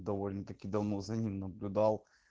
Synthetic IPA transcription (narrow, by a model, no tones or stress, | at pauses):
d̪ɐvolʲnət̪ɐkʲid̪ɐvnozɐnʲimnəblʲʊd̪ɑlˠ